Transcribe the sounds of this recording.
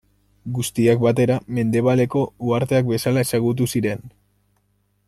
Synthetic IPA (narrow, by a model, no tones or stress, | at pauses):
ɡust̪iak̚bat̪e̞ɾame̞nd̪e̞β̞ale̞ko̞uaɾt̪e̞ak̚be̞salae̞saɣut̪̬usiɾe̞n